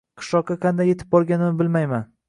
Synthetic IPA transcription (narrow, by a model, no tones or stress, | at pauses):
qʰɨ̥ʃɒq̚ːɑqʰɑnd̪ajːe̞t̪ʰɪp̚bɒɾɡʲanɪnɪbɪlmajman